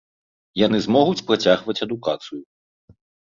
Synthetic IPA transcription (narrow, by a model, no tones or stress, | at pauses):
janɨzmɔɣut͡sʲpɾat͡sʲaɣvɐt͡sʲɐd̪ukat̪sɨju